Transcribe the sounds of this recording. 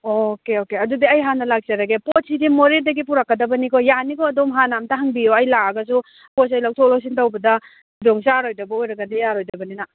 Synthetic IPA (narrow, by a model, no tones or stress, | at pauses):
okeokeɐdudiɐjɦanːɐlak̚t͡ʃɐɾɐɡeposidimoɾiɾdɐɡipuɾakːɐdɐbɐnikɔjanikɔɐdomɦanamtaɦaŋbioɐjlaɐɡɐs̬u | pos̬ɐjlawtʰɔlaws̬intɐwbɐdɐ | doŋsaɾojdɐbɐojɾɐɡɐnijaɾojdɐbɐnina